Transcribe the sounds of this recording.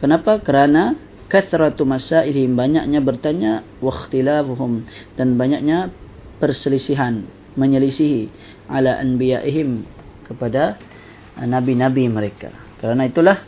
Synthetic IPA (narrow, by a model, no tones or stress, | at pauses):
kənapakəɾana | kaθɾɑt̪masaʔilhɪmbaɲak̚ɲabərt̪aɲa | waxt̪ilafuɦʊmd̥anbaɲak̚ɲa | pərsəlisiɦan | məɲəlisiɦi | ʕalaʔa̰nbijaʔiɦɪm | kəpada | nabinabiməɾeka̰ | kəɾanait̪ulah